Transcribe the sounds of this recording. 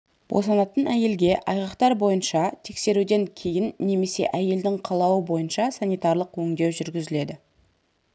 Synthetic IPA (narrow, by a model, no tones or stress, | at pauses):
b̥o̰sɑnɑt̪ənæje̞lɡʲe̞ʔɑjʁɑqt̪ɑɾbo̞jənʃɑt̪ʰe̞kse̞ɾud̪e̞ŋkʲʰe̞jɪnːe̞me̞se̞̰ʔæje̞ld̪ɪŋqʰɑlˠɑwəbo̞jənʃɑsɑnijt̪ɑrlˠəqwɵŋd̪e̞wʒʏɾɡʲɪzɪle̞d̪ɪ